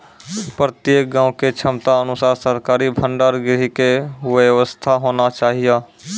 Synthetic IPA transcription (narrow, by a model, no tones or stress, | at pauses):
pɾət̪jeːk̚ɡãːʊ̃ket͡ʃʰəmt̪aənʊsaːɾsəɾkaːɾibʱə̃ɳɖaːɾɡɾɪɦikeʋəʋəst̪ʰaɦoːnat͡ʃaːɦijaː